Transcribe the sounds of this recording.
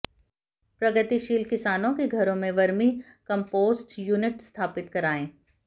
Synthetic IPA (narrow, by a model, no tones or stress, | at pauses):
pɾɐɡət̪iʃiːlkɪsaːnõkeɡʱɐɾõmẽʋɐɾmikɐ̃mpoːzʈjuːnɪʈst̪ʰaːpɪt̪kɐɾaːẽː